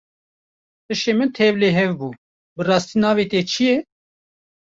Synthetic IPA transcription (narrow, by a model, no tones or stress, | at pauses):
t̪ɨʃeːmɨnt̪ʰɛvleːɦɛvbuː | bɨrɑːst̪iːnɑːveːt̪eːt͡ʃʰijɛ